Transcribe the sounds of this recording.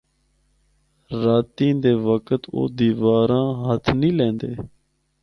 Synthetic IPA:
ɾaːt̪ĩːd̪eːʋəkət̪o̰ːd̪iːʋaːɾãːɦət̪ʰnĩːlẽːnd̪eː

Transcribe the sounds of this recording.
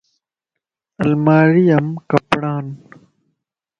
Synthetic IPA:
ɐlmaːɾijɐmkɐpɽaːn

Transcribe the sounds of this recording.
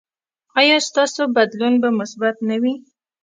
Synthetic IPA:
ɑjɑst̪ɑsobad̪lunbamʊsbat̪nawi

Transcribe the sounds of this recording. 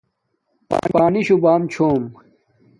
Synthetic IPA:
pa̰paːniɕubaːmt͡ɕʰoːm

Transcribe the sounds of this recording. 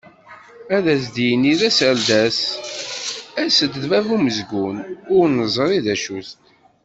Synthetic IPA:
æðæs̬d̪ijənːiðæsæld̪æs | æsəd̪ðvævuməzɡunʊɾnəzˤɾˤiðæʃust̪

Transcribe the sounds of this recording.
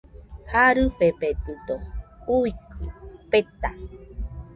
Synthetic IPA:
haɾɨpepet̪ɨt̪ouikʰɨpet̪a

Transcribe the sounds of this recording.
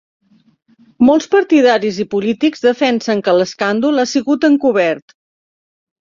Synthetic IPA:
mɔlˠspəɾt̪iðaɾizipulit̪ikzðəfɛnsəŋkələskand̪ulˠasiɣut̪əŋkuβɛɾt̪

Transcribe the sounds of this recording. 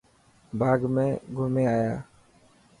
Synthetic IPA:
bʱaːɡmẽːɡʱʊmẽːaːjaː

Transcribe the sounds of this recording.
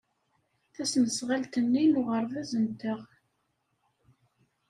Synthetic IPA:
θæsnəsʁalt̪ənːinʊʁəɾˤvæzənt̪əʁ

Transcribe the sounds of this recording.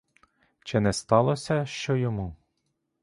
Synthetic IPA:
t͡ʃɪnɛst̪ɑlˠɔsʲɐʃt͡ʃɔjɔmu

